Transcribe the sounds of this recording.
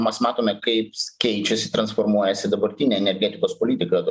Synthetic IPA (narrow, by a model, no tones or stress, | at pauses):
mʲɛsmɑːt̪oːmʲɛkɐɪpsʲkʲɛɪt͡ʃʲɛsʲɪt̪ɾɐnsfoɾmuɔjɛsʲɪd̪ɐbɐɾʲt̪ʲiːnʲɛɛnʲɛɾʲɡʲɛːt̪ʲɪkoːspolʲiːt̪ʲɪkɐ